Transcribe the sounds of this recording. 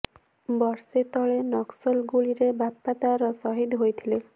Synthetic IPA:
bɔɾset̪ɔɭenɔksolɡuliɾebapːat̪aɾɔsɔɦid̪ɦojet̪ʰile

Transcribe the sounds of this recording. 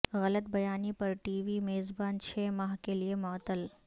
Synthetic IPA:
ɣɐlət̪bɐjaːnipɐɾʈiːʋimeːzbaːnt͡ʃʰɛːmaːɦkeliemɔːt̪əl

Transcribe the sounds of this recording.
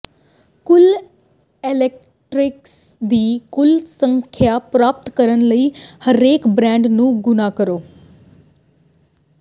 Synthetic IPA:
kʊl | eːlɛk̚ | ʈɾɪks | d̪iːkʊlsəŋkʰjaːpɾaːp̚t̪kəɾənləiːhəɾeːkbɾɛ̃ːɳɖnũːɡʊnaːkəɾoː

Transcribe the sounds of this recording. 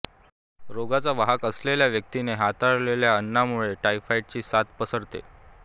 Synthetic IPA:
ɾoɡat͡saʋaɦakəsleljaʋjək̚t̪ineɦat̪aɽleljaənːamuɭeʈaifaiʈ̚t͡ɕiːsat̪pəsəɾt̪ḛ

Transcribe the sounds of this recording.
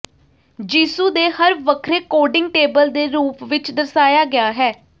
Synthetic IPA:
d͡ʒiːsuːd̪eːɦəɾʋəkʰɾeːkoːɖɪ̃ŋɡ̚ʈeːbəld̪eːɾuːpʋɪt͡ʃd̪əɾsaːjaːɡɪaːɦɛː

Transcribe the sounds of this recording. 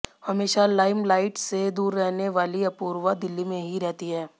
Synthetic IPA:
hɐmeːʃalaːɪmlaːɪʈsed̪uːɾːɛɦneʋaːliɐpuːɾʋad̪ɪlːimẽɦiɾɛɦt̪iɦɛː

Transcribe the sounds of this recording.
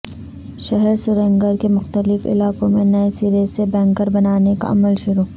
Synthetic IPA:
ʃɐɦɛɾsʊɾẽŋɡəɾkemʊxt̪əlɪfɪ̰laːkõmẽnɐesiːɾesebɛ̃ːŋkəɾbɐnaːneka̰ʔɐ̰məlʃʊɾuː

